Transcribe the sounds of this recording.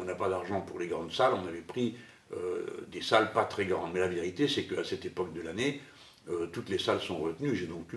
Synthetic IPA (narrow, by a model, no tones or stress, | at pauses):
ɔ̃napad̪aʁʒɑ̃puʁleɡʁɑ̃d̪salɔ̃navɛpχi | ø̰d̪esalpat̪χɛɡʁɑ̃d̪mɛlaveʁit̪esɛkəasɛt̪epɔk̚d̪əlane | øt̪ut̪lesalsɔ̃ʁət̪nyʒed̪ɔ̃k